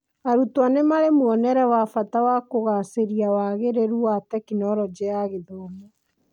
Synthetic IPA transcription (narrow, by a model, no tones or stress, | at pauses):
aɾutwanemaɾemwɔnɛɾɛwafatawakoɣaseɾiawaɣeɾeɾuatɛkinɔɾɔd͡ʑɛaɣeðɔmɔ